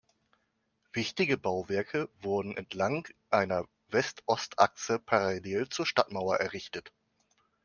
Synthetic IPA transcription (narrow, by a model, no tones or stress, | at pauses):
v̥ɪçtɪɡəbaʊvɛɐkʰəvʊɐdn̩ʔɛ̰ntʰlaŋʔaɪnɐ | vɛstʔɔstʰʔa̰ksəpʰaʁaleːlt͡suːɐʃtatmaʊɐʔɛɐʁɪçtət